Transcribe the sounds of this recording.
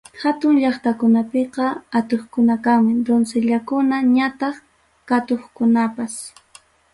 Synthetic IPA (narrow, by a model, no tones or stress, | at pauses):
hat̪ʊŋʎɑχt̪akʊnapeqɑat̪oχkʊnakaŋmɪd̪onseʎakʊnaɲat̪ɑχ | kat̪oχkʊnapas